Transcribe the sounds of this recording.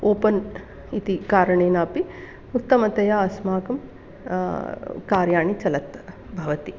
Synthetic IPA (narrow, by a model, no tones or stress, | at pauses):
oːpɐn | it̪ikaːɾɐɳeːnaːpi | ut̪ːɐmɐt̪ɐjaːɐsmaːkɐm | kaːɾjaːɳit͡ʃɐlɐt̪ | bʱɐʋɐt̪i